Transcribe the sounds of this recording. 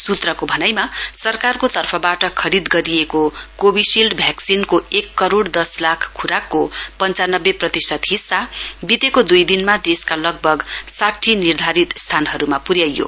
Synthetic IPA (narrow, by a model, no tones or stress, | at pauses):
sut̪rʌkobʱʌnajmasʌrkarkot̪ʌrpʰʌbaʈʌkʰʌɾid̪ɡʌɾijekokobisilɖbʱjaksinkoekːʌɾoɽd̪ʌslakʰkʰːuɾakːopʌnt͡sanʌbːeprʌt̪isʌt̪ɦisːabit̪ekod̪ujd̪inmad̪eskalʌɡ̚bʱʌɡsaʈʰinird̪ʱaɾit̪st̪ʰanɦʌɾumapuɾjajo̰